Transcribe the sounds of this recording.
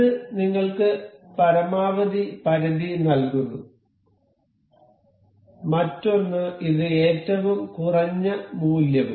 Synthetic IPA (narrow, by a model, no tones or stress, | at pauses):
ɨniŋːɐɭkɨpɐɾɐmaːʋɐd̪ipɐɾɐðinɐlkunːu | mɐtːo̞nːɨiðɨe̞ːtːɐʋumkurɐɲːɐmuːljɐʋṵ